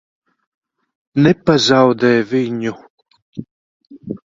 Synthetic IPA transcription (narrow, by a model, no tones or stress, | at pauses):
nɛpazawd̪ɛːviɲu